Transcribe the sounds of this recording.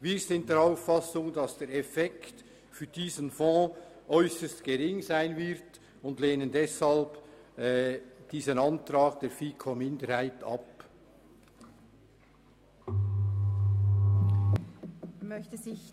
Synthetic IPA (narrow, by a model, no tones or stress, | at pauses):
viːɾzɪnt̚d̥eːɾaʊfːɑsʊŋdɑsd̥eːɾɛfɛkt | fyːɾd̥iːzənfɔ̃ːʔœʏsəstɡ̥eʁɪŋzaɪnvɪɾt | ʊndleːnəndɛshɑlb̥ | d̥iːzənɑntrɑːɡd̥eːɾfiːkʰomɪndəɾhaɪtʰɑ̰p | mœçtəzɪç